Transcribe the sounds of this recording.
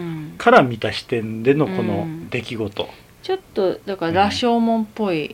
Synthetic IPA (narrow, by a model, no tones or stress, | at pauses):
kʰaɾamʲit̪aɕi̥t̪ẽ̞nd̪e̞no̞kʰo̞no̞d̪e̞kʲiɡo̞t̪o̞̰ | t͡ɕo̞t̪ːo̞d̪akaɾaɕo̞ːmõ̞mpːo̞i